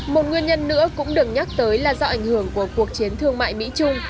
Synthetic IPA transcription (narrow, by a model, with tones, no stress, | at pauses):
mo˨˩t̚ŋwi˧ənɲə˧nːɨ̰˧˥əkʊ̰˧˥ŋ͡mɗɨ˨˩ək̚ɲa˦˥k̚t̪əː˨˦jlaː˨˩zɔ˧ʔa˧˩jŋ̟hɨ˧˩əŋku˧˩əku˨˩ək̚t͡ɕi˨˦ənt̪ʰɨ˧əŋma̰ː˧˨jmḭ˧˥t͡ɕʊ˧ŋ͡m